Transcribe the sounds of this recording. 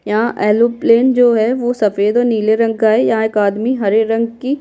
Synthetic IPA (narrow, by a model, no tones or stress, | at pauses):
jaʔɛːloːpleːnd͡ʒoːɦɛʋosɐfeːd̪ɔːɾniːleɾɐ̃ŋɡaːejãeːkaːd̪miɦɐɾeɾɐ̃ŋɡki